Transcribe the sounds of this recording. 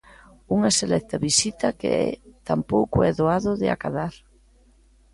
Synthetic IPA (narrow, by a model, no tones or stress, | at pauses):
uŋɐselɛk̚t̪ɐβisit̪ɐkḛɛ̰t̪ampowkʊɛðoaðʊðɪa̰kaðaɾ